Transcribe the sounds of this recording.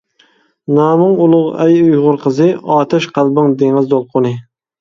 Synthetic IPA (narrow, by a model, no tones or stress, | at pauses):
naːmʊŋʊlˠʊʁa̰jʊjʁʊɾqʰɨzɪɑːt̪ʰaʃqʰɑlˠbɪŋd̪eŋɨzd̪olˠqʰʊnɪ